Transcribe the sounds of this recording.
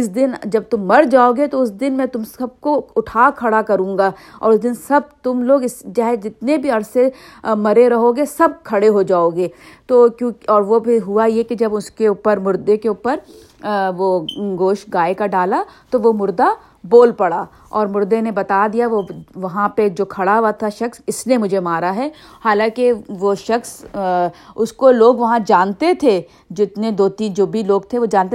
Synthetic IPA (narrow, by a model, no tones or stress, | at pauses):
ɪsd̪ɪnd͡ʒɐb̚t̪ʊmːɐɾd͡ʒaːoːɡet̪oʊs̬d̪ɪnmɛ̃ːt̪ʊmsɐb̚koʊʈʰaːkʰɐɽakɐɾũːŋɡaːɔ̰ːɾʊsd̪ɪnsɐb̚t̪ʊmloːɡɪsd͡ʒɐɦɛd͡ʒɪt̪nebʱiɐɾsemɐɾeɾɐɦoːɡesɐb̚kʰɐɽeɦod͡ʒaːoːɡeːt̪oːkjõːkɔːɾʋobʱiɦuajekid͡ʒɐbʊskeuːpəɾmʊɾd̪ekeʊːpəɾ | ʋoɡoːʃɡaːekaɖaːlat̪oʋomʊɾd̪a | boːlpɐɽaː | ɔːɾmʊɾd̪enebɐt̪ad̪ijaʋoʋɐɦãped͡ʒoːkʰɐɽaɦat̪ʰaʃɐksɪsliemʊd͡ʒʱemaːɾaɦɛːhaːlãːkeʋoʃɐxs | ʊskoloːɡʋɐɦãd͡ʒaːnt̪et̪ʰe | d͡ʒɪt̪ned̪oːt̪iːnd͡ʒoːbʱiloːɡt̪ʰeʋod͡ʒaːnt̪e